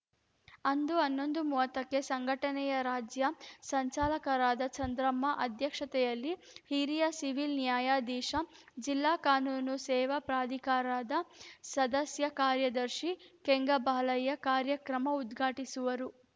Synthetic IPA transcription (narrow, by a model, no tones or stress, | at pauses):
ɐnd̪uɐnːo̞nd̪umuʋɐt̪ɐkːe̞sɐŋɡʱɐʈɐnɛjɐɾaːd͡ʒjɐsɐɲt͡ʃaːlɐkɐɾaːd̪ɐt͡ʃɐnd̪ɾɐmːɐʔɐd̪ʱjɐkʂɐt̪ɛjɐlːi | hiɾijɐsiʋilnjaːjaːd̪iːʃɐ | d͡ʒilːaːkaːnuːnusɛːʋɐpɾaːd̪ʱikaːɾaːd̪ɐsɐd̪ɐsjɐkaːɾjɐd̪ɐɾʃikeŋɡɐbaːlɐjːɐkaːɾjɐkɾɐmɐud̪ɡʱaːʈisuʋɐɾu